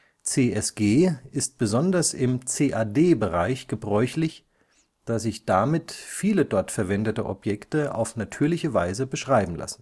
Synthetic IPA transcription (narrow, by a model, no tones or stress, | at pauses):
t͡seːʔɛsɡ̥eːɪst̚b̥əzɔndɐsɪmt͡seːʔaːdeːbəʁaɪçɡ̥əbʁɔʏçlɪç | d̥aːzɪçd̥amɪtfiːlədɔɐtfɛɐvɛndətəʔɔ̰pjɛktəa̰ʊfnatʰyːɐlɪçəvaɪzəbəʃʁ̥aɪbm̩lʔa̰sn̩